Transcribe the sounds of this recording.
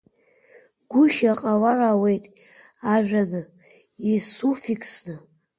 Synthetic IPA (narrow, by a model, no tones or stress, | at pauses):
ɡ̥ʷʊʃaqʼawarawejtʼ | aʒʲᶣanɨ | isufikʰsnɨ